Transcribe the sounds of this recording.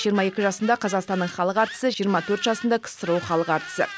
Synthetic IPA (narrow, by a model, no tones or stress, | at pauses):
ʒijəɾmɑje̞kʲɪʒɑsənd̪ɑqʰɑzɑqst̪ɑnːəɴχɑlˠəqɑɾt̪ə̥səʒijəɾmɑt̪ʰɵɾt̪ʒɑsənd̪ɑkʰə̥səɾuwχɑlˠəqɑɾt̪ə̥sə̰